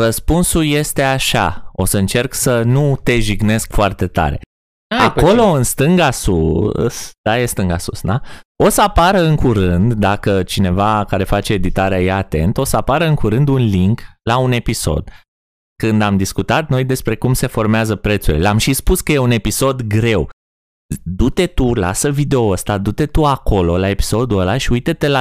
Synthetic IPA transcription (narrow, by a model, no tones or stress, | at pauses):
rəspunsulje̞st̪e̞aʃa̰o̞̰səɨnt͡ʃe̞rksənut̪e̞ʒiɡne̞skfoart̪e̞t̪a̰ɾe̞̰ | ako̞lo̞ɨnst̪ɨŋɡasṵsd̪̥ajest̪ɨŋɡa̰sṵsd̪ao̞səapaɾəɨŋkuɾɨnd̪ːakət͡ʃine̞vakaɾe̞fat͡ʃe̞ːd̪it̪aɾeajaːt̪e̞̰nt̪o̞səapaɾəɨŋkuɾɨnd̪unliŋklaune̞piso̞̰d̪̥ | kɨnd̪amd̪iskut̪at̪̚no̞jd̪e̞spɾe̞kumse̞fo̞rmeazəpɾe̞t̪sṵlʲamʃispuskəje̞une̞piso̞d̪ɡɾe̞w | d̪ut̪e̞t̪ula̰səvid̪e̞oəst̪ad̪ut̪e̞t̪uako̞lo̞lae̞pi̥so̞d̪uəlaʃiujt̪et̪e̞la